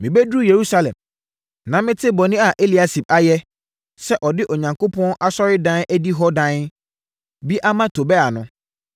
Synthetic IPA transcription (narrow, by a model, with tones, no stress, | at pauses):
mɪ̃˨bɛ˦du˦je˨ɾu˦sa˦lɛ̰̃˨m | nã˨mɪ̃˦tʰɪ˦bɔ˨nɪ̃˦a˨ʔe˦li˨a˦si˨b̚a˦jɛ˦ | sɛ˦ʔɔ˨dɪ˦ʔɔ˨ɲã˨ŋko˦pʰɔ̃˦ʔa˦sɔ˦ɾɪ˦dã˦næ˦di˦ɦɔ˦dã˦n | bi˦ʔa˦mã˦tʰo˨bɛ˦a˨nʊ̃˦